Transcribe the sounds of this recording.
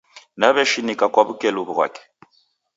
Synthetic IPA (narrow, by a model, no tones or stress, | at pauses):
naβɛʃinikʼakʼwaβukʼɛluβuɣwa̰ːkɛ̥